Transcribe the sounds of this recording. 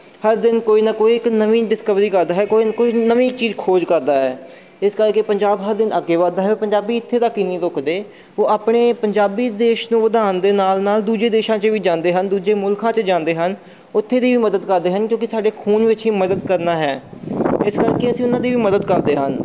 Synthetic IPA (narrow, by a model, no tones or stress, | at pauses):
həɾd̪ɪnkoːiːnaːkoːiːɪknəʋiːɖɪskəʋɾiːkəɾd̪aːɦɛːkoːinkoːiːnəʋiːt͡ʃiːzkʰoːd͡ʒkəɾd̪aːɦɛː | ɪskəɾkeːpəɲd͡ʒaːbɦəɾd̪ɪnəɡeːʋaːd̪aːɦɛːpəɲd͡ʒaːbiːɪt̪ʰːeːd̪aːkɪnĩːɾokd̪eː | oːʔaːpɽeːpəɲd͡ʒaːbiːd̪eːʃnũːʋəd̪aːənd̪eːnaːlnaːld̪uːd͡ʒeːd̪eːʃãːt͡ʃʋiːd͡ʒãːnd̪eːɦənd̪uːd͡ʒeːmʊlkʰãːt͡ʃd͡ʒãːnd̪eːɦən | ʊt̪ʰːeːd̪iːʋiːməd̪əd̪kəɾd̪eːɦənkjõːkɪsaːɖeːkʰuːnʋɪt͡ʃɦiːməd̪əd̪kəɾnaːɦɛːɪskəɾkeːəsĩːʊnãːd̪iːʋiːməd̪əd̪kəɾd̪eːɦən